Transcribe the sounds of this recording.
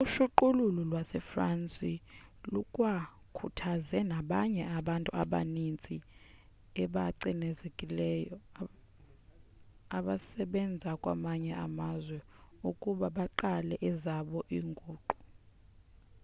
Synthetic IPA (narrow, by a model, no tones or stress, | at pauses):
uʃuǃululɔlwasɛfrant͡sʼilukʼwa | kʰutʰazɛnaɓaɲɛaɓantʼuaɓa̰nint͡sʼi | ɛɓaǀinɛzekʼilɛjɔ | aɓasɛɓɛnd͡zʱakʼwa̰maɲɛamazwɛukʼuɓaɓaǃalɛʔɛzaɓɔʔiːŋɡʱuːǃu̥